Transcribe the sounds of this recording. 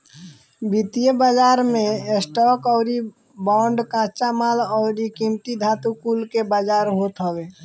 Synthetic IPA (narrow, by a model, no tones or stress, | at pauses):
bit̪ijəbad͡ʒaːɾmẽesʈɔkɔʊɾi | baɳɖkãt͡ʃamalɔʊɾikimʈid̪ʱat̪ukulkebad͡ʒaːɾɦot̪ɦəwe